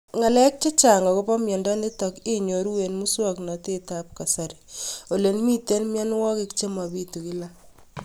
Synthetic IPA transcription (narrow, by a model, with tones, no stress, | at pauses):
ŋa˨lɛ˦k̚t͡ʃe˦t͡ʃa˨ŋa˨ko˦pɔ˦mjɛ˨ndɔ˦ne˦tɔ˨kɪ˦ɲo˨ɾu˦we˨nmu˦swa˦kna˨te˦ta˨p̚ka˨sa˨ɾi˨o˨le˨nmi˦te˦lmja˦n˦wɔ˦ke˦kt͡ʃe˦ma˨bi˦tu˨ki˦la˦